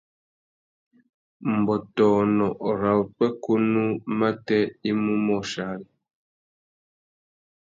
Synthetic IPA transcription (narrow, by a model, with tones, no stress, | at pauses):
m̩˨bɔ˨tɔː˨nɔ˨ʔɾa˨wk͡pɛ˦ku˦nu˦ma˦tɛ˦i˦mu˦mɔ˦˨ʃa˨˦li˨